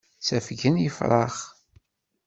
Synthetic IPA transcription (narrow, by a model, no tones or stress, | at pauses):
t͡sæfʝənjəfɾˤɑ̰χ